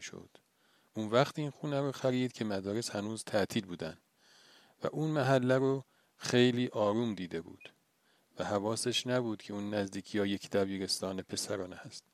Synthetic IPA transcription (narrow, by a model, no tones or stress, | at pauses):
ʃo̰d̪̥ | ʔunvæxχt̪iːnxuːnæɾoxæɾiːd̪̥cʰe̞mæd̪ɒːɾe̞shænuːzt̪ʰæt̪ʰiːlbuːd̪ænd̪ | væ̰ʔunmæɦælːæɾo | xe̞jliːʔɒːɾuːmd̪iːd̪e̞bṵːd̪̥ | væhævɒːseʃnæbuːd̪̥cʰeuːnːæzd̪iːcʰijɒːjecʰd̪æviːɾe̞st̪ɒːne̞pʰe̞sæɾɒːnehæst̪